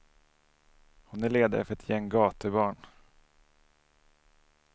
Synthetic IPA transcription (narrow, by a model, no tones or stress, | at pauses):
hʊnæɭeːd̪a̰ɾəfœɾɛt̪ʰjɛŋɡɑːt̪əbɑːɳ